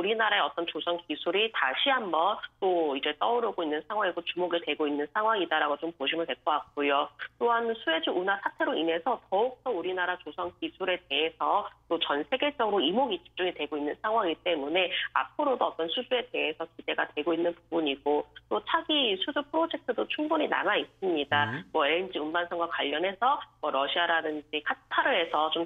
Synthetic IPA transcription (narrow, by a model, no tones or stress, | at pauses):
uɾinaɾae̞ʌt͈ʌnt͡ɕosʰʌŋkisʰuɾitaɕʰiɦambʌnt͈oid͡ʑe̞t͈ʌuɾʌɡoinːɯnsʰaŋwaŋiɡot͡ɕumoɡitwe̞ɡoinːɯnsʰaŋɦwaŋidaɾaɡot͡ɕompoɕʰimɯntwe̞ɭk͈ʌak̚k͈̚ujot͈oɦansʰue̞d͡ʑuunasʰatʰe̞ɾoine̞sʰʌtʌuk̚t͈ʌuɾinaɾat͡ɕosʰʌŋkisʰuɾe̞te̞ɦe̞sʰʌt͈ot͡ɕʌnsʰe̞ɡe̞t͡ɕ͈ʌɡɯɾoimoɡit͡ɕʰi̥t͡ɕ͈uŋitwe̞ɡoinːɯnsʰaŋɦwaŋit͈e̞mune̞a̰p̚ʰɯɾodoʌt͈ʌnsʰud͡ʑue̞de̞ɦe̞sʰʌkid̥e̞ɡatweɡoinːɯnpubuɲiɡot͈ot͡ɕʰaɡisʰud͡ʑuɭpʰɯɾod͡ʑe̞k̚tʰɯdot͡ɕʰuŋbuɲina̰mais͈ɯmɲidamwʌend͡ʑiunbansʰʌŋɡwakwaʎːʌnɦe̞sʰʌmʌɾʌɕʰiaɾadɯnd͡ʑikʰatʰaɾɯɦe̞sʰʌt͡ɕom